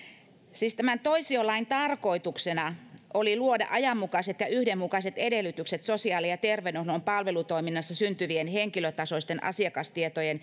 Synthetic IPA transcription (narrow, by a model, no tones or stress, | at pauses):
siːst̪æmænt̪oisiolɑint̪ɑrkoit̪uksenɑʔoliluodɑ̰ʔɑjɑmːukɑset̪jɑyhdemːukɑset̪edelːyt̪ykset̪sosiɑːlijɑt̪erʋenuhlompɑlʋelut̪oiminːɑsːɑsynt̪yʋienheŋkiløt̪ɑsoist̪enʔɑ̰siɑkɑst̪iet̪ojen